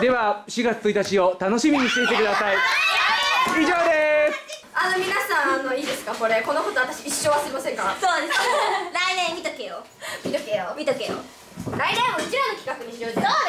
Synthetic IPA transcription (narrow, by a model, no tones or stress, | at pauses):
d̪e̞βaɕiɡatt͡sɨ̥t͡sɨit̪at͡ɕiot̪ano̞ɕimʲiɲ̟isɨet̪e̞kɯ̟d̪asai | iʑoːd̪es | ano̞mʲinasãɰ̃ano̞iːd̪esɨ̥kako̞ɾe̞ko̞noko̞t̪o̞βat̪aɕiiɕːoːβasɨɾimasẽ̞ŋkasoːnãnsɨkaɾainẽ̞mːʲit̪akejo | mʲit̪okejomʲit̪okejo̰ | ɾaiɾãmoɾd͡ʑionokʲi̥kakɯ̟ɲ̟iɕiɾoːd̪o